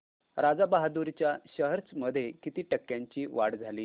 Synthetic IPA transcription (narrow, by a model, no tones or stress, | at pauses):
ɾad͡zabaɦad̪uɾt͡ɕjaɕəɦəɾt͡sməd̪ʱːjekit̪iːʈəkːjãɲt͡ɕiːʋaɽd͡zʱaliː